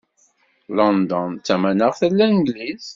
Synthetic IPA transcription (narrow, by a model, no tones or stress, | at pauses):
lɔnd̪ɔnt͡sːæmænəʁθəlːænɡliz